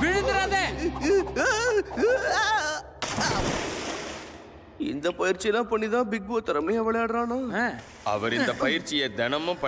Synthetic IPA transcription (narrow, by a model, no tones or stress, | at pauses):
ʋɪɻɯðɯɾaːðe | ɪ̰nd̪ɐpɐjɪɾt͡ʃːɪɛlːãːpɐɳːiðãːbɪɡ̚boːt̪ːɐɾɐmɪjaʋɛɭɐjaːɽɾãːnaː | ɐ̰ʋɐɾɪnd̪ɐpɐjɪɾt͡ʃːɪjed̪ɛnɐmɐ̃pɐ